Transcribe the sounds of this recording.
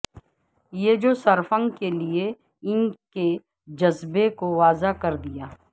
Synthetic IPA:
jed͡ʒoːsɐɾfə̃ŋkelie | ɪnke | d͡ʒɐzbekoʋaːzakɐɾd̪ijaː

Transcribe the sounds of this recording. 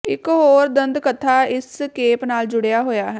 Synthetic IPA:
ɪkɦoːɾd̪ənd̪kət̪ʰːaːɪskeːpnaːld͡ʒʊɽejaːɦoːjaːɦɛː

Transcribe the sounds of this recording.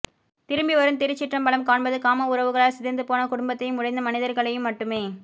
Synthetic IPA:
t̪ɪɾɯmbiʋɐɾɯmt̪ɪɾɪt͡ʃːɪʈrɐmbɐɭɐmkaːɳbɐðɯkaːmɐʊɾɐʋɯɣɐɭaːɐsɪðɐnd̪ɯpoːnɐkʊɽʊmbɐt̪ːɐjɯmːʊɽɐɪnd̪ɐmɐnɪðɐɾɣɐɭɐjɯmːɐʈːɯmeː

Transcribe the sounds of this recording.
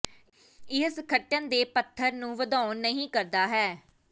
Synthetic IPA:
ɪɦəsəkʰəʈːənd̪eːpət̪ʰːəɾnũːʋəd̪ãːnəɦĩːkəɾd̪aːɦɛː

